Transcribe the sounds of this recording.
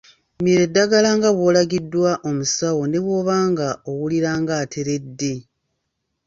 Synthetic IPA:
miɾe̞dːaɡalaŋɡaβwo̞ːlaɡidːwaʔo̞musawo̞ne̞βwo̞ːβaːŋɡaowuliɾaːŋɡaːtʰe̞ɾe̞dːe̞

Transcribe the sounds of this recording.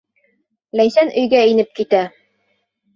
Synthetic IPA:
lænsænʔɵ̆jɡæinɘp̚kit̪æ

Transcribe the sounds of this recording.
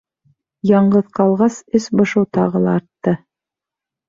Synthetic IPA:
jɑɴɢɤðqɑlˠʁɑsɵsbŏʃɤwt̪ɑʁɤlˠɑːɾt̪ːɤ

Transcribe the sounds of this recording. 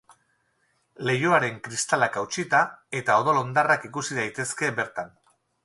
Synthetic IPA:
le̞jo̞aɾe̞ŋkɾist̪alakawt͡ʃit̪ae̞t̪ao̞ð̞olo̞nd̪arakikusiðajt̪e̞ske̞be̞ɾt̪an

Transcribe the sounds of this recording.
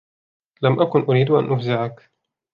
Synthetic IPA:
lamʔakʊnʔʊɾiːd̪ʔa̰nʔʊfzɪʕak

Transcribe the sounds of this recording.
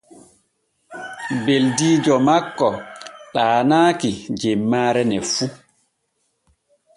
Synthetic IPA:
beldiːd͡ʒɔmakːɔɗaːnaːkid͡ʒemːaːɾɛnɛfu

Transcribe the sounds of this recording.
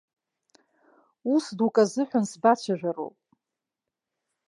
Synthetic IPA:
usdukʼazɨħʷᶣansbat͡ɕʷʰaʒᶣaro̰wpʼ

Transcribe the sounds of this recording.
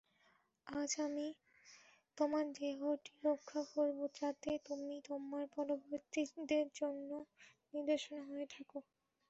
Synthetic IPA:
ad͡ʑami | t̪omaɾd͡ʑeɦɔɾʈiɾokʰːakoɾbot͡ɕat̪et̪omit̪omaɾpɔloboɾt̪id̪eɾd͡ʑonːo | niɾd̪eʃonaɦoet̪ʰako

